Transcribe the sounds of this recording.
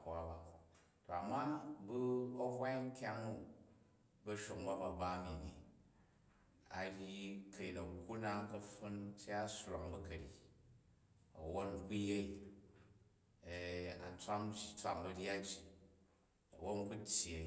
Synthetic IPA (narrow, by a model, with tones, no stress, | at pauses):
a˨ba˨ | to˨a˨mːa˦bu˦ɐ˦ɦwa˦i˦ŋ̩˦kʲa˦ŋu˦ | bɐ˦ʃo˨ŋba˦ba˨ba˦mi˨ni˨ | a˨ɾʲi˦kɐ˨ji˨nɐ˨ku˦na˦ŋ˦kɐ˦ɸu˦nt͡ʃi˦a˦sɾo˨ŋbɐ˦kɐ˨ɾi˨ | ɐ˨wo˦nku˦je˦i˦˨ | a̰˨t͡sʷa˦m˦t͡ʃi˦t͡sʷa˨mbɐ˨ɾʲja˦d͡ʒi˨ | ɐ̰˨wo˦n˦ku˦tʲje˨